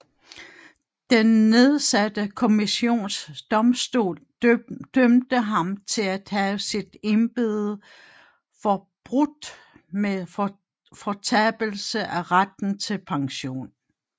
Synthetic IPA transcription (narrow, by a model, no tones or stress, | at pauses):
d̥enːe̝ð̞ˠsæd̥əkʰo̝miɕo̝̰ːnsd̥ɒ̽msd̥o̝̰ːl | d̥ømd̥əɦɑ̈mt͡sʰe̝læd̥hæsid̥e̝nb̥e̝ð̩ˠ | fɒ̽b̥ʁud̥ | meðˠ | fɒt͡sʰɛb̥l̩səʔæʁad̥n̩t͡sʰe̝lpʰɑ̈ŋɕo̝̰ːn